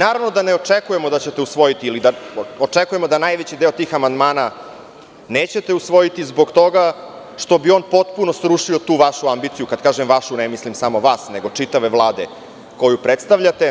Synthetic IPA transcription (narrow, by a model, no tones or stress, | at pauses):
naːɾaʋno̞d̪aneot͡ʂekujemo̞d̪at͡ɕe̞t̪eusʋo̞jit̪iilid̪aot͡ʂekuje̞mo̞d̪anajʋet͡ɕid̪e̞ot̪iːxamand̪maːna | neːt͡ɕe̞t̪e̞usʋo̞jit̪izbo̞ɡt̪o̞ɡa | ʂt̪o̞bio̞npo̞t̪puno̞sɾuʂio̞t̪uːʋaʃuambit̪sijukad̪kaːʒemʋaʃunemislimsamo̞ʋaːsne̞ɡo̞t͡ʂit̪aʋeʋlˠaːd̪e̞ | ko̞jupɾet̪st̪aʋʎat̪e̞